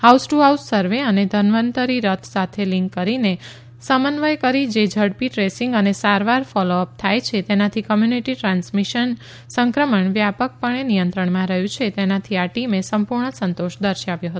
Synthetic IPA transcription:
hawsʈuɦawssəɾʋeəned̪ʱənʋənt̪əɾiɾət̪ʰsat̪ʰelĩŋkːəɾine | səmənʋəjkəɾid͡ʒed͡ʒʱəɽpiʈɾesiŋɡənesaɾʋaɾfɔloəp̚t̪ʰajt͡ʃʰet̪enat̪ʰikəmjuniʈiʈɾãnsmiʃən | səŋkɾəməɳʋjapək̚pəɳenijənt̪ɾəɳmãɾəɦjũt͡ʃʰet̪enat̪ʰiaʈimesəmpuɾɳəsənt̪oʃd̪əɾʃaʋjõɦət̪u

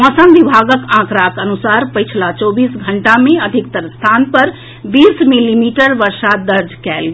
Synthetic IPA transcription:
ə̃səmʋibʱaɡəkãkɾakənusaɾpəjt͡ʃʰlat͡ʃobiːsɡʱəɳʈamẽəd̪ʱik̚t̪əɾst̪ʰanpəɾ | biːsmilimiʈəɾʋəɾsad̪əɾd͡ʒkɛlɡ

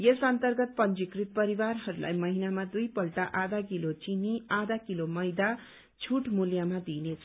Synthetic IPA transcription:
jesant̪ʌrɡʌt̪̚pʌnd͡ʒikrit̪̚pʌɾiwarɦʌɾula̰jmʌɦinamad̪ujpʌlʈaʔad̪ak̬ilot͡siniad̪akilomʌjd̪a | t͡sʰuʈmuljamad̪inet͡sʰʌ

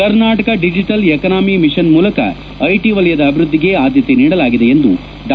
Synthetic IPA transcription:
kɐɾnaːʈɐkɐɖid͡ʒiʈɐlekɐnaːmimiʂɐnmuːlɐkɐ̰ | ɐjʈiʋɐlɐjɐd̪ɐːbʱiɾud̪ːiɡe̞aːd̪jɐt̪eniːɽɐlaːɡid̪e̞end̪ṵ | d̪

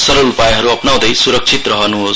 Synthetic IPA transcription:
sʌɾolupajɦʌɾuʌpnaw̃d̪ʌjsuɾʌk̚t͡sʰit̪rʌɦʌnuɦos

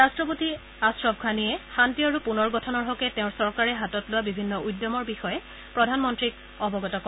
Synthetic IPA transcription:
ɹastɹɔp̬uti | asɹɔb̚ɡʰʱaniɛxantiɔaɹupunɔɹɡɔtʰɔnɔɹɦɔkɛtɛʊ̃ɹsɔɹkaɹɛɦatɔtlʊwabibʱinːɔʔujdɔmɔɹbixɔjɛ | pɹɔdʱanmɔntɹik | ɔbɔɡɔtɔkɔ

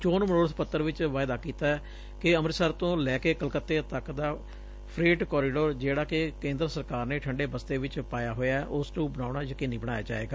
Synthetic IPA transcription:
t͡ʃoːnməɽoːɽt̪pət̪ːəɾʋɪt͡ʃʋaːɪd̪aːkiːt̪aːɛː | kɪəmɾsəɾt̪õːlɛːkeːkəlkət̪ːeːt̪əkd̪aː | pʰɾeːʈkɔːɾɪɖoːɾd͡ʒeːɽaːkɪkẽːnd̪ɾəsəɾkaːɾneːʈʰəɳɖeːbəst̪eːʋɪt͡ʃpaːjaːɦoːjaːɛʔʊsʈũːbənaːɳaːd͡ʒaːkɪnːiːbəɽ̃a̰ːja̰ːd͡ʒa̰ːʋḛːɡaː

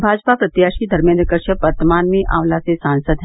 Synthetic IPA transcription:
bʱaːd͡ʒpapɾɐt̪jaːʃid̪ʱɐɾmẽnd̪ɾəkɐɾʃəʋɐɾt̪əmaːnmẽʔa̰ːʋlasesaːnsəd̪ɦ

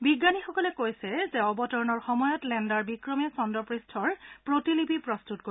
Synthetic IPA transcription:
biɡːanixɔkɔlɛkojsɛzɛɔbɔtɔɹnɔɹxɔmɔjɔtlɛndaɹbikɹɔmɛsɔndɔpɹistʰɔɹpɹotilipipɹɔstut̚ko

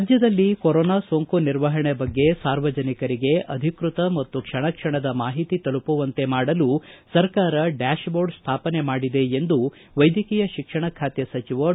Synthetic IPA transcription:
ad͡ʒjɐd̪ɐlːikoɾɔːnaːsoŋkuniɾʋɐɦɐɳebɐɡːe̞saːɾʋɐd͡ʒɐnikɐɾiɡe̞ʔɐd̪ʱikɾut̪ɐmɐt̪ːukʂɐɳɐkʂɐɳɐd̪ɐmaːɦit̪it̪ɐlupuʋɐnt̪e̞maːɽɐlusɐɾkaːɾɐɖaːʃboːɾɖst̪ʰaːpɐnemaːɽid̪e̞ːnd̪u | ʋɐjd̪ʱikiːjɐʃikʂɐɳɐkʰaːt̪jɐsɐt͡ʃiʋɐ

